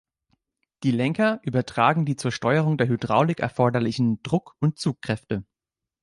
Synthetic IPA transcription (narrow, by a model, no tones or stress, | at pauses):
d̥iːlɛŋkɐʔyːbɐtʁ̥aːɡŋ̩diːt͡suːɐʃtɔʏəʁ̞ʊŋdeːɐɦydʁaʊlɪkɛ̰ɐfɔɐdɐlɪçn̩d̥ʁʊkʊnt̚t͡suːkʁ̥ɛftə